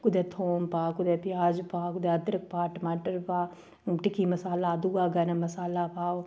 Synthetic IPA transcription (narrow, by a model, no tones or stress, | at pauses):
kʊd̪eːt̪ʰoːmpaːkʊd̪eːpɪjaːd͡ʒpaːkʊd̪eɐt̪ɾək̚paːʈəmaːʈəɾpaː | ʈɪkiːmɐsaːlaːd̪uɡaːɡɐnəmɐsaːlaːpaːo